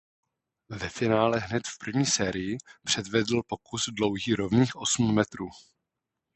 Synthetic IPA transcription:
vɛfɪnaːlɛɦnɛt̪fpr̩vɲiːsɛːɾɪjɪpr̝̥ɛdvɛdl̩po̞kuzdlo̞wɦiːɾo̞vniːxʔo̞sm̩ːɛt̪ɾuː

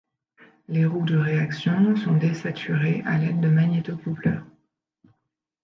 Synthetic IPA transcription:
leʁud̪əʁeaksjɔ̃sɔ̃d̪esat̪ʰyʁeʔa̰lɛd̪ːəmaɲɛt̪okuplœ̰ːʁ

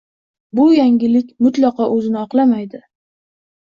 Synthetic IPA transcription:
bʊjaŋʲɪlɪkʲmʊt̪lɑqɒʔɵzɪnɪɒqlˠamajd̪ɪ

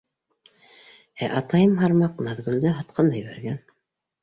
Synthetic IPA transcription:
æʔɑt̪ɑjɤmɦɑɾmɑqnɑðɡɵ̆ld̪ɘɦɑt̪̚qʰɑnd̪ɑjɘ̆βæ̰ɾɡæn

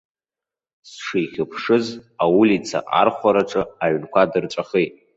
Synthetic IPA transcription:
sʂijχʲɪpʰʂɨzawʊlit͡sʰa̰ʔa̰rχʷaɾaʈ͡ʂʼɨaʕnkʷʰadɨrʈ͡ʂʷʼaχejtʼ

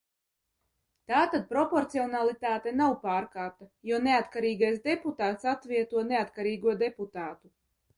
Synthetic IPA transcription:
t̪aːt̪ad̪̚pɾɔpɔɾt̪siɔnalˠit̪aːt̪ɛnawpaːɾkaːt̪ajuɔneat̪kaɾiːɡajsd̪eput̪aːt̪sat̪vʲiɛt̪uɔneat̪kaɾiːɡuɔd̪eput̪aːt̪u

